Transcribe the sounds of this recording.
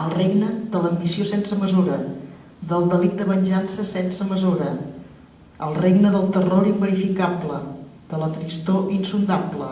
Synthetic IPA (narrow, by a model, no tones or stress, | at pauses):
əlˠreɡnəd̪ələmbisiosensəməzuɾə | ðəlˠd̪əlik̚t̪əβənʲʒansəsɛnsəməzuɾə | əlˠreɡnəðəlˠt̪əroɾimbəɾifikablə | d̪̥ələt̪ɾist̪oʔinsund̪ablə